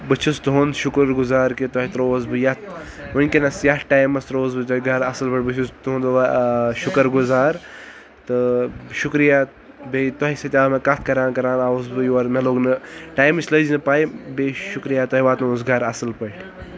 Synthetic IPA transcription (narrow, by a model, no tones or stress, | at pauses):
bɨt͡ʃʰust̪uɦonʃukɾɡuzaːɾket̪ɔɦit̪ɾoːzbɨjɐt̪̚ | ʋɨnʲkenɐsjɐʈaːjmɐst̪ɾoːzbɨt̪ɐiɡʱɐɾɐsɨlpɐʈ̚ʲbɨt͡ʃʰust̪uɦõnd̪ʃukəɾɡuzaːɾ | t̪ɨʃukɾijaː | bet̪ɔɦiset̪ʲaːmekɐt̪̚ʰkɐɾaːnkɐɾaːnaːuzbɨjɔɾmeloːɡnɨʈaːjmɨsləznɨpaːibeʃukɾijaːt̪ɐiʋaːt̪nuzɡʱɐɾɐsɨlpɐʈʰ